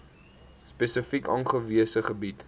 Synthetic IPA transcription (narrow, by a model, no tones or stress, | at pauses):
spɛsəfikɑnχəviəsəχəbit